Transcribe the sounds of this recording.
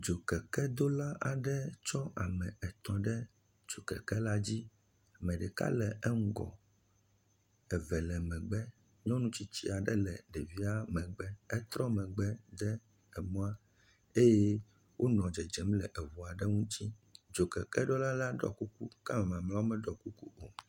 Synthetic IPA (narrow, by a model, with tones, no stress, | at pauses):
d͡ʒo˨kɛ˨kɛ˦d̪o˦la˦ʔa˨ɖɛ˦t͡ʃɔ˦a˨mɛ̃˨ɛ˨t̪ɔ̃˨ɖɛ˦ | d͡ʒo˨kɛ̰˨kɛ˦la˦d͡ʑi˦ | a˨mɛ̃˨ɖɛ˨ka̰˦lɛ˨ɛ˦ŋ̩˦ɡɔ̰˨ | ɛ˨vɛ˨lɛ˨mɛ̃˨ɡ͡bɛ˦ | ɲɔ̃˦nũ˦t͡ɕi˦t͡ɕi˦a˨ɖɛ˦lɛ˨ɖɛ˨vi˦a˦mɛ̃˨ɡ͡bɛ˦ɛ˦t̪ɾɔ˦mɛ̃˨ɡ͡bɛ˦d̪ɛ˦ | ɛ˨mɔ̃˦a˦ | e˦jɛ˦ | wʔo˦nɔ̃˨d͡ʒɛ˨d͡ʒɛ˨˦mlɛ˨ʔɛ˨vu˨a˨ɖɛ˦ŋũ˦t͡ɕi˦d͡ʒo˨kɛ̰˨kɛ˦ɖɔ˦la˦la˦ɖɔ̰˦˨ku˦ku˦ka˦mɛ̃˨m˨ã˨mla˦wo˦mɛ̃˦ɖɔ˨ku˦ku˦o˨